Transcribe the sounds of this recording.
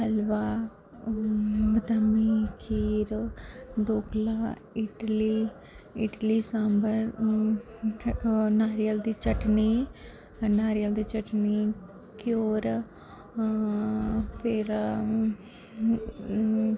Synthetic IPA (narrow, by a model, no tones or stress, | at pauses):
ɦəlʋaː | bət̪əmiːkʰiːɾ | ɖoːklaː | ɪʈliː | ɪʈliːsãmbəɾ | naːɾijəld̪iːt͡ʃəʈniː | naːɾijəld̪iːt͡ʃəʈniː | kɪjoːɾ | pʰɪɾ